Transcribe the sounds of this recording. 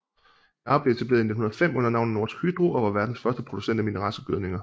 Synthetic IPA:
ɑ̈b̥le̝e̝t͡sʰæb̥le̝ːð̩ˠne̝d̥hunɐð̩ˠfem̰ɔ̽n̰ɐnɑ̈ʊ̰n̩no̝ɐ̰sɡ̥hyd̥ʁuʔɒ̽ʋɑ̈ʋæɐd̥n̩sfɶɐsd̥əpʰʁo̝d̥usen̰d̥æminəʁɑ̈ːsəɡ̥øð̞ˠne̝ŋɐ

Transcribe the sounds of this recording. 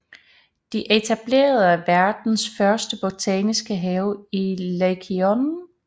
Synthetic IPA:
d̥iʔet͡sʰæb̥le̝̰ːɐð̞̩ˠæʋæɐd̥n̩sfɶɐsd̥əb̥ot͡sʰɛːnisɡ̥əɦɛːʊilekʰion

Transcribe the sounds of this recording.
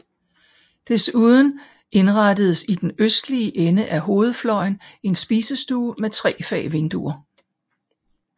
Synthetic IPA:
d̥e̝suð̞ˠn̩ | e̝nʁɑd̥əð̞ˠsid̥enøsd̥liəʔenəʔæɦo̝ːð̞̩ˠflɒɪne̝nsb̥iːsəsd̥uːmet͡sʰʁɛ̰ːfɛ̰ːʋe̝nd̥ṵɐ

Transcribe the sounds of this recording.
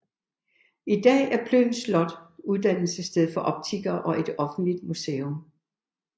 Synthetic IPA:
id̥ɛ̰ːæɐpʰløːn̩slɒ̽d̥uðˠd̥æn̰l̩səsd̥eð̞̰ˠfɒ̽ʔɒ̽b̥̚t͡sʰiɡ̥ɐːʔɒ̽ʔe̝d̥ɒ̽fn̩d̥lid̥musḛːom

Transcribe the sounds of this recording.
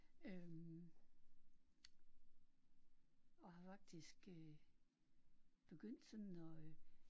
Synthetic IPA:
øm | ɒ̽hɑ̈fɑ̈ɡ̥̚d̥isɡ̥ø | b̥e̝ɡ̥øn̰d̥sɒ̽nɒ̽

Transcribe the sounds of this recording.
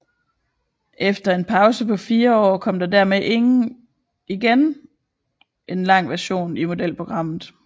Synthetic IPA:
ʔefd̥ɐe̝npʰɑ̈ʊsəpʰɒ̽fiːɐɒ̰ːkʰɒ̽m̰d̥ɑ̈dæɐmeʔe̝ŋn̩ | iɡ̥en | ʔe̝nlɑ̈ŋ̰ʋæɐɕo̝̰ːnimo̝d̥el̰pʰʁo̝ɡ̥ʁɑ̈m̰ð̩ˠ

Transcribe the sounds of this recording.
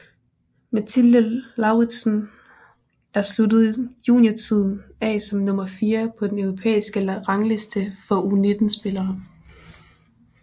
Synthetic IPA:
mæt͡sʰiləlɑ̈ʊʁi̥sn | æɐslud̥əð̞̩ˠjṵːniɐt͡sʰið̞̰ˠn̩ɛ̰sɒ̽mnɔ̽mɐfiːɐpʰɒ̽d̥enœʊʁo̝pʰḛːisɡ̥əʁɑ̈ŋle̝sd̥əfɒ̽une̝d̥n̩sb̥e̝lɐː

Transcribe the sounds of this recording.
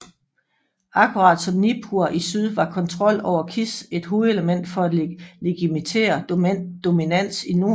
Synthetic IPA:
ɑ̈kʰuʁɑ̈ːd̥sɒ̽mnipʰuɐʔisyð̞ˠʋɑ̈kʰɒ̽nt͡sʰʁɒ̽l̰ɒʊ̰ɐkʰise̝d̥ɦo̝ːð̩ˠe̝ləmen̰d̥fɒ̽ædleɡ̥imit͡sʰḛːɐd̥o̝minæn̰sino̝

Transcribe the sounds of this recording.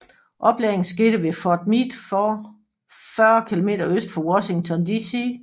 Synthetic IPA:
ʔɒ̽b̥lḛɐeŋn̩sɡ̥e̝d̥əʋe̝fɒd̥̚mid̥fɒ | fɶɐkʰilo̝me̝̰ːd̥ɐøsd̥fɒwɒɕe̝ŋt͡sʰɒ̽nd̥isi

